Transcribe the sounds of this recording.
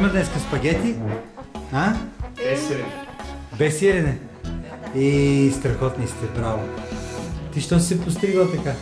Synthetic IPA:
mɐd̪nɛskəspɐɡʲɛt̪i | aɛs | bɛsiɾinɛ | ist̪ɾɐxɔt̪nist̪ɛpɾavo | t̪iʃt̪ɔsɛpʊs̬t̪ɾiɡˠət̪ɐka

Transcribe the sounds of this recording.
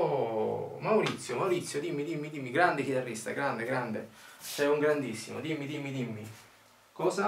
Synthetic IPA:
mawɾit̪sːjomawɾit̪sːjod̪imːid̪imːid̪imːiɡɾand̪ekit̪arːist̪a̰ɡɾand̪eɡɾand̪et͡ʃɛuŋɡɾand̪isːimo̰d̪imːid̪imːid̪imːi | kɔsa

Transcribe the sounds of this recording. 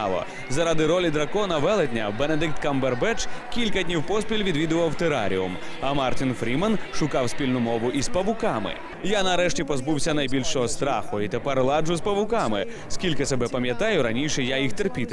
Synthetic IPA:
lˠɔ̰ | zɐɾɑd̪ɪɾɔlʲid̪ɾɐkɔnɐʋɛlˠed̪ʲnʲɐ̰bened̪ɪk̚t̪kɐmberbɛt͡ʃkʲilʲkɐdʲnʲiwpɔsʲpʲilʲʋʲid̪ʋʲid̪ʊʋɐwt̪eɾa̰ɾʲḭʊ̰mɐmɑrt̪ʲinfɾʲimɐnʃʊkɑwsʲpʲilʲnʊmɔʋʊʔispɐʋʊkɑmɪ̰ | janɐɾɛʃtʲipɔzbuwsʲɐnɐjbʲilʲʃɔɦɔst̪ɾɑ̰xʊit̪ɛpɛɾlˠɑd͡ʒʊspɐʋʊkɑmɪ | skʲilʲkɪsɛbɛpɐmʲjɐt̪ɑjʊɾɐnʲiʃɛjajixt̪erpʲit̪

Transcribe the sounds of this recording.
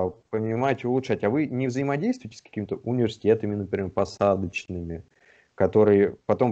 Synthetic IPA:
pənʲɪmatʲɪʊlˠʊʂatʲɐvɨnʲɪvzəɪmɐdʲejst̪vʊəɪtʲɪ̥skɐ̥kʲimʲɪt̪əʔʊnʲɪvʲɪrsʲɪ̥tʲe̞t̪əmʲɪnəpɾʲɪmʲerpɐsad̪ət͡ɕnɨmʲɪ | kɐt̪o̞ɾɨjəpɐt̪o̞m

